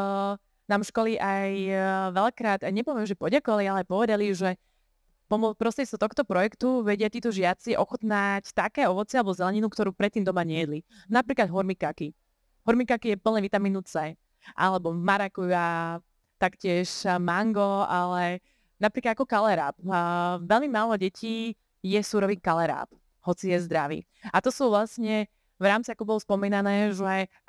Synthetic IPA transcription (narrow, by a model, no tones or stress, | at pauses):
naːmʃkɔliʔajʋɛlakɾaːd̪ajɲɛpɔʋɛmʒɛpɔɟakɔʋalialɛapɔʋɛd̪aliuʒɛ | pɔmɔpɾɔst̪ɾɪɛsɔt̪ɔxt̪ɔpɾɔjɛkt̪uʋɛɟɪat̪iːt̪ɔʒɪat͡siʔɔxɔt̪nact̪akɛːɔʋɔt͡sialɛbɔzɛlɛɲinukt̪ɔɾuːpɾɛt̪ːiːmd̪ɔmaɲɛjɛd̪linapɾiːklad̪ɦɔɾmikaki | ɦɔɾmikakijɛpl̩ɲɛʋit̪amiːnut͡sɛ | ʔa̰lɛbɔvmaɾakuja | t̪akcɪɛʃmaŋɡɔalɛ | napɾiklad̪akɔkalɛɾa̰ːpʋɛlmimaːlɔɟɛcʰiː | jɛsuːɾɔʋiːkalɛɾa̰ːp | hɔt͡sijɛzd̪ɾaʋḭː | at̪ɔsuːʋlasɲɛ | ʋɾaːmt͡siakɔbɔlɔspɔmiːnanɛːʒɛ